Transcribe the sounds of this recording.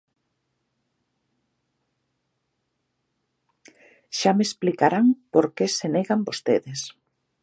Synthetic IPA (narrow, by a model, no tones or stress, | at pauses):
ʃamesplikaɾaŋpoɾkeseneɣambost̪eðes